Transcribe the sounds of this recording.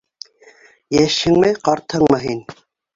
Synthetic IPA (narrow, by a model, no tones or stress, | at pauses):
jæʃhɘ̆ŋmɘqɑɾt̪hɤɴmɤɦin